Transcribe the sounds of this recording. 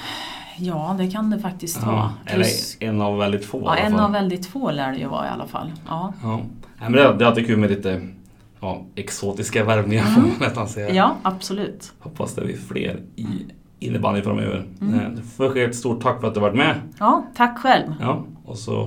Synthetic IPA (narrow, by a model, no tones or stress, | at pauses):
jɑːd̪ɛkʰand̪ɛfak̚t̪ɪsktt̪ɑɛlːəɛnːavːɛld̪ɪt̪foːɛnːavvɛld̪ɪt̪ːfoːlæːɖɛjɵ̰vɑ̰ːɾɪ̰a̰lːa̰fa̰lːʔɑːɑːnæɪmɛnɛd̪ɛːɾalt̪ɪkʰʉ̟ːlmɛlɪːt̪ə | jɑːɛksoːt̪ɪskavæɾmnɪŋaɾɛst̪ansɛəjɑːab̥sɔlʉ̟ːt̪hɔpʰːasd̪ɛ̰vɪ̰flḛːɾɪ | ɪnːəbanəŋfɔɾɔmø̰ːvə̰ɾɛd̪ɛfɔɾɧeːt̪st̪uːʈ̚ʰakːfœɾat̪d̪ɵhavaʈmɛɑːt̪ʰakːɧɛlmjɑːɔsɔ̰